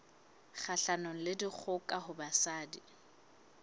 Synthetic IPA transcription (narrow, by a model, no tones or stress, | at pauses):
χʰaɬanɔŋ̩lɪdik͡xʰʊkʼahʊbasaːdi